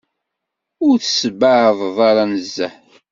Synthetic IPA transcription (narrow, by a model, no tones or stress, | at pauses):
ʊɾθə̥səbaʕhəðˤðˤɑɾˤɑnəzːæħ